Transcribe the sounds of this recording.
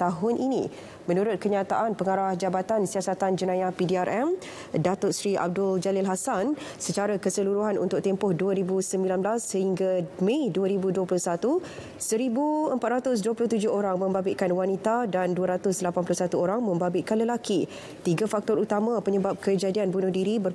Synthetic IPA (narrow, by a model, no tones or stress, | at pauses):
t̪aɦʊnʔinḭ̃ | mə̃nuɾʊt̪̚kəɲãt̪aʔanpəŋaɾahd͡ʒabat̪ansiasat̪and͡ʒənãjapidiaɾʔɛm | dat̪ʊtsɾiʔa̰b̚dʊld͡ʒalɪlɦasansət͡ʃaɾakəsəluɾuɦanṵnt̪ʊk̚t̪empʊhduəɾibusəmbilanblasːəɦiŋɡamẽduəɾibuduəp̬lʊhsat̪u | səɾibuəmpat̪̚ɾat̪ʊs̬duəpulʊht̪ud͡ʒʊhoɾaŋmə̃mbabɪʔkanwanit̪adanduaɾat̪ʊslapanplʊsat̪uoɾaŋmə̃mbabɪʔkanləlaki | t̪iɡafak̚t̪ɔɾut̪amãpəɲəbap̚kəd͡ʒadianbunʊhdiɾibər